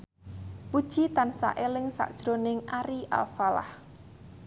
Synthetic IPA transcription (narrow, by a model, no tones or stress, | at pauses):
pud̥ʒ̥it̪ansa̰ʔelɪŋsa̰ʔd̥ʒ̥ɾonɪŋaɾiʔa̰lfala̰h